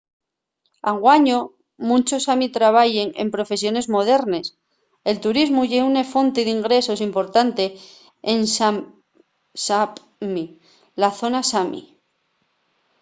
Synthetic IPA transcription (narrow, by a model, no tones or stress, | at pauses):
aŋɡwaɲo | mũnt͡ʃo̞samit̪ɾaβ̞aʝeŋḛmpɾo̞fe̞sjo̞ne̞zmo̞ð̞e̞ɾne̞s | e̞lt̪uɾizmuʝeunefo̞nt̪eiðiŋɡɾe̞so̞simpo̞ɾt̪ant̪e̞ː | nsa | sap | mi | laθo̞nasamḭ